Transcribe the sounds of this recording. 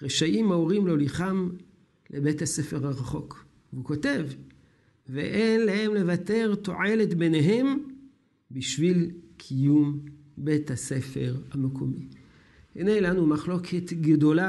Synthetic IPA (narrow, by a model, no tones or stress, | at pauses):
ʁeʃaʔimaoʁimlo̞liχam | lʔebe̞thasefe̞ʁaʁaχo̞k | veuko̞te̞v | vḛʔenlahe̞mle̞vate̞ʁto̞̰ʕe̞le̞tbe̞ne̞ɦe̞m | biʃvilkʰijum | be̞thase̞fe̞ʁhamekʰomi | hḭnelanumaχlo̞kʰet̪ɡdo̞la